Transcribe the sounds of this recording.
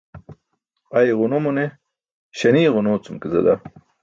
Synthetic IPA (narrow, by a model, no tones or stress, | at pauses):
ajʁʊnomune | ɕɐniːʁʊnoːt͡sumkizɐ̰d̪a